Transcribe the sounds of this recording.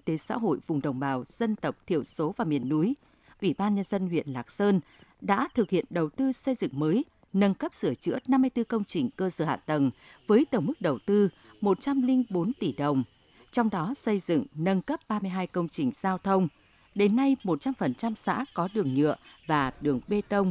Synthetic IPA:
t̪e˨˦sa̰ː˧˥ɦo̰˧˨jvʊ˨˩ŋ͡mɗə̰˨˩wŋ͡mɓaː˨˩wz̥ə˧nt̪ə˨˩wp̚t̪ʰḭ˧˨əwso˨˦vaː˨˩mḭ˨˩ənːu˨˦j | ʔwi˧˩ɓaː˧nɲə˧nzə˧nhwḭ˧˨ənlaː˨˩k̚səː˧n | ɗa̰ː˧˥t̪ʰɨ˨˩k̚hḭ˧˨ənɗə˨˩wt̪ɨ˧sə˧jzɨ̰˧˨ŋməː˨˦j | nə˧nkə˦˥p̚sɨ˧˩ət͡ɕɨ̰˧˥əna˧mːɨ˧əjt̪ɨ˧kə˧wŋ͡mt͡ɕï˨˩ŋ̟kəː˧səː˧˩ha̰ː˧˨t̪ə˨˩nvəː˨˦jt̪ə˧˩wŋ͡mmɨ˦˥k̚ɗə˨˩wt̪ɨ˧ | mo˨˩t̚t͡ɕa˧mlï˧ŋɓo˨˦nt̪i˧˩ɗə˨˩wŋ͡m | t͡ɕɔ˧wŋ͡mɗɔ˨˦sə˧jzɨ̰˧˨ŋnə˧nkə˦˥p̚ɓaː˧mɨ˧əjɦaː˧jkə˧wŋ͡mt͡ɕï˨˩ŋ̟z̥aː˧wt̪ʰə˧wŋ͡m | ɗe˨˦nːa˧jmo˨˩t̚t͡ɕa˧mfə˨˩nt͡ɕa˧msa̰ː˧˥kɔ˨˦ɗɨ˨˩əŋɲɨ̰˧˨əvaː˨˩ɗɨ˨˩əŋɓe˧t̪ə˧wŋ͡m

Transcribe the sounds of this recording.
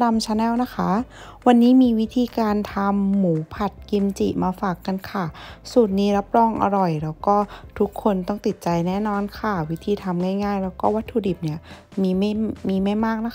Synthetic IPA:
da˧mt͡ɕʰa˧˥nɛː˥˩wna˦˥kʰa˦˥ | wa˧nːiː˦˥miː˧wi˦˥t̪ʰiː˧kaː˧nt̪ʰa˧mːuː˩˦pʰa˨˩t̪̚ki˧mt͡ɕi˨˩maː˧faː˨˩kːa˧nkʰa˧˥˩suː˨˩t̪̚niː˦˥ɾa˦˥p̚ɾɔː˧˥˩ŋʔa̰˧ɾɔ˨˩jlɛː˦˥wkɔː˥˩t̪ʰu˦˥kʰːo˧nt̪ɔ˥˩ŋt̪i˨˩t̪̚t͡ɕa˧jnɛː˥˩˨nɔː˧nkʰa˥˩wi˦˥t̪ʰiː˧t̪ʰa˧mŋaː˥˩jŋaː˥˩jlɛː˦˥wkɔː˥˩wa˦˥t̪ʰːuː˧di˨˩p̚ni˦˥˩ɐ | miː˧m˥˩jmiː˧ma˥˩jmaː˥˩k̚na˦˥˧

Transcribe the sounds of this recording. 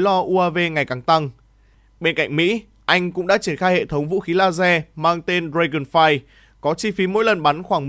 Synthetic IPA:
lɔ˧ʔu˧ʔaː˧ve˧ŋa˨˩jkaː˨˩ŋt̪a˧ŋ | ɓe˧nka̰˧˨ŋ̟mḭ˧˥ | ʔa˧jŋ̟kʊ̰˧˥ŋ͡mɗa̰ː˧˥t͡ɕi˧˩ənxaː˧jhḛ˧˨t̪ʰə˨˦wŋ͡mvṵ˧˥xi˨˦laː˧zɛ˧maː˧ŋt̪e˧nɾe˧ɣɨ˨˩nfaː˧j | kɔ˨˦t͡ɕi˧fi˨˦mo̰˧˥jlə˨˩nɓa˨˦nxwaː˧˩ŋm

